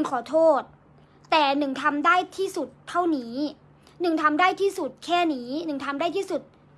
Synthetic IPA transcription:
nkʰɔː˨˩˦t̪ʰoː˥˩t̪̚ː | ɛː˨˩nɯ˨˩ŋt̪ʰa˧mdaː˥˩jt̪ʰiː˥˩su˨˩t̪ʰːa˥˩wniː˦˥ | nɯ˨˩ŋt̪ʰa˧mdaː˥˩jt̪ʰiː˥˩su˨˩t̪̚kʰɛː˥˩niː˦˥nɯ˨˩ŋt̪ʰa˧mdaː˥˩t̪ʰiː˥˩su˨˩t̪̚

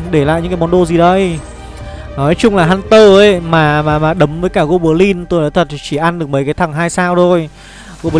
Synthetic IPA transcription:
ɗe˧˩la̰ː˧˨jɲɨ̰˧˥kːaː˨˦mɔ˨˧˦nɗo˧zi˨˩ɗə˧j | nɔ˨˦jt͡ɕʊ˧ŋ͡mlaː˨˩ɦa˧nt̪əː˧˩ʔə˨˧˦jmaː˨˩maː˨maː˨˩ɗə˨˦mvəː˨˦jkaː˧˩ɣo˧ɓə˧˩əli˧nt̪o˧jɗa̰ː˧˥t̪ʰə˨˩t̚t͡ɕi˧˩ʔa˧nɗɨ˨˩ək̚mə˨˦jkaː˨˦jt̪ʰa˨˧˩ŋɦaː˧jsaː˧wt̪ʰo˧j | ɣo˧ɓ

